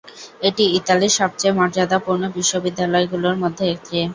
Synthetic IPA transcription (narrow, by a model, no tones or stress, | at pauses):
eʈiit̪aliɾʃɔb̚t͡ɕaemɔɾd͡ʑad̪apuɾnobiʃːobid̪ʱːalɔeɡuloɾmod̪ʱːeek̚ʰt̪ʰe